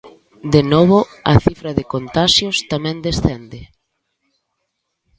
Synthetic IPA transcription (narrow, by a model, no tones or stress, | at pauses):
d̪enɔβʊaθifɾɐðekont̪aʃjʊst̪amɛ̃nd̪esθend̪ɪ